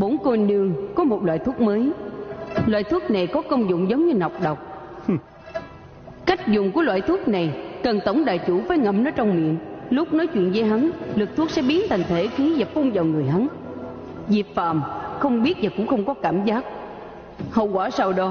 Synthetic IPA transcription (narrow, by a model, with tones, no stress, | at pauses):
ɓo˨˦nko˧nɨ˧əŋkɔ˨˦mo˨˩t̚lwa̰ː˧˨jt̪ʰu˦˥k̚məː˨˦j | lwa̰ː˧˨jt̪ʰu˦˥ək̚na˨˩jkɔ˨˦kə˧wŋ͡mzʊ̰˧˨ŋ͡mzə˨˦wŋ͡mɲɨ˧na˨˩wk͡p̚ɗə˨˩wk͡p̚ | ka˦˥jk̚zʊ˨˩ŋ͡mku˧˩əlwa̰ː˧˨jt̪ʰu˦˥ək̚na˨˩jkə˨˩nt̪ə˧˩wŋ͡mɗa̰ː˧˨jt͡ɕu˧˩faː˨˦jŋə˧˩mnə˨˦t͡ɕɔ˧wŋ͡mmḭ˧˨ənlʊ˦˥k͡p̚nɔ˨˦jt͡ɕwḭ˧˨nzəː˨˦jɦa˨˦nlɨ˨˩k̚t̪ʰu˦˥ək̚sɛ̰˧˥ɓi˨˦ənt̪ʰa˨˩jŋ̟t̪ʰe˧˩xi˨˦vaː˨˩fu˧nza˨˩wŋɨ˨˩əjɦa˨˦n | zi˨˩p̚fa̰ː˧˨mxə˧wŋ͡mɓi˦˥ət̚vaː˨˩kʊ̰˧˥ŋ͡mxə˧wŋ͡mkɔ˨˦kaː˧˩mzaː˦˥k̚ | hə̰˧˨wɣwaː˧˩sa˧wɗɔ˨˦